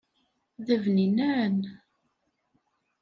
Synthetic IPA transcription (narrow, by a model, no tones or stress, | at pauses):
ðævninæɾən